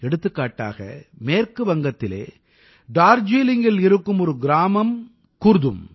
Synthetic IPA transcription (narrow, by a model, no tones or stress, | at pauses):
ɛɽɯt̪ːɯkːaːʈːa̰ːɣɐ̰meːɾkɯʋɐŋɡɐt̪ːɪlḛː | ɖaːɾd͡ʒiːlɪŋɡɪlɪɾɯkːɯmɔɾɯɡɪɾaːmɐm | kʊɾðɯ̰m